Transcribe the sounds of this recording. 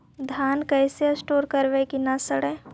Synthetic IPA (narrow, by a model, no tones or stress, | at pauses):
d̪ʱaːnkɛːseəsʈoːɾkəɾʋekinasəɽe